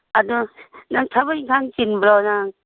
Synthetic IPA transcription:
adɔnaŋtʰaβɯjkʰaŋt͡ʃinbɾanaŋ

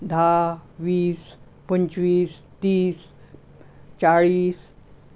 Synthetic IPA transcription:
d̪ʱaʋiːs | pəɲt͡ɕʋiːst̪iːs | t͡ɕaɭiːs

